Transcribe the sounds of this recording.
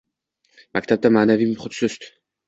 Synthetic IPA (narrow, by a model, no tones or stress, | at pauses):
makt̪ʰab̚d̪amaːnavimχot̪søst̪